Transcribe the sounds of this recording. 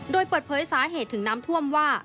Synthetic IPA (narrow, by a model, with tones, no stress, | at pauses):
doː˧jpəː˨˩t̪̚pʰɤː˨˩˦jsaː˩˦ɦeː˨˩t̪ʰːɯ˩˦ŋnaː˦˥mt̪ʰu˥˩əmwaː˥˩